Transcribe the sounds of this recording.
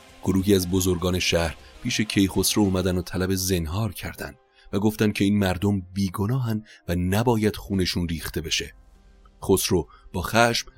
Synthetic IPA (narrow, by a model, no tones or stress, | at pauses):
ɡ̥o̞ɾuːɦiːæzbo̞zo̞ɾɡɒːne̞ʃæhɾpʰiːʃe̞cʰe̞jχo̞sɾouːmæd̪ænot̪ʰælæbe̞ze̞nɦɒːɾcʰæɾd̪æ̰nd̪̥ | væɡoft̪ænd̪̚cʰe̞iːnmæɾd̪o̞mbiːɡo̞nɒːɦænd̪vænæbɒːjæd̪̥χuːne̞ʃuːnriːxt̪e̞be̞ʃe̞̰ | χosɾob̥ɒːxæʃm